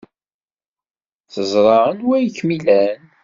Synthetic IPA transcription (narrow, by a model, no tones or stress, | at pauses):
θəzˤɾˤɑənwæjəkːmilæn